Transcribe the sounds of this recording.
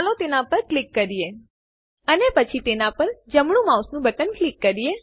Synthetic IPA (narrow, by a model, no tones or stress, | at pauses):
alot̪enãpəɾklikːəɾije | ənepət͡ʃʰit̪enapəɾd͡ʒəmɽũmãusnũbəʈənklikːəɾije